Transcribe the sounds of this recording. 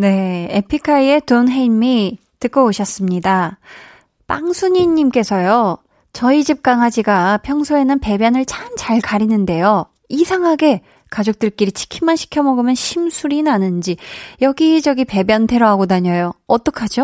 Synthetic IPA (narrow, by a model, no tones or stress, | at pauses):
ne̞epʰikʰaie̞tonɦeimi | tɯk͈ʌoɕʰʌs͈ɯmɲida | pa̰ŋsʰuɲiɲːimk͈e̞sʰʌjo | t͡ɕʌid͡ʑip̚k͈aŋɦad͡ʑiɡapʰjʌŋsʰoe̞nɯnpe̞bjʌnɯɭt͡ɕʰamt͡ɕaɭkaɾinɯnde̞jo | isʰaŋɦaɡe̞ | kad͡ʑok̚t͈ɯɭk͈iɾit͡ɕʰi̥kʰimanɕʰi̥kʰjʌmʌɡɯmjʌnɕʰimsʰuɾinanɯnd͡ʑijʌɡid͡ʑʌɡipe̞bjʌntʰe̞ɾʌɦaɡodaɲʌjoʌt͈ʌkʰad͡ʑo